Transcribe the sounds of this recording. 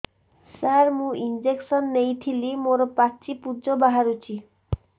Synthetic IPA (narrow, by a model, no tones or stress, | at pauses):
saɾmũʔind͡ʑeksɔnːejt̪ʰilimoɾɔpat͡ɕipud͡ʑobaɦaɾut͡ɕʰi